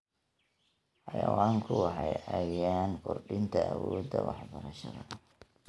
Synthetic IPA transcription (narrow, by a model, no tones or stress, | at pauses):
ħɑjɐwaːŋkʰʊwɑħɑjɐjaːnkʰʊrɖɪnt̪ʰɐʔɐwɔːd̪ɐwɑħbɐɾɐʃɐðɐ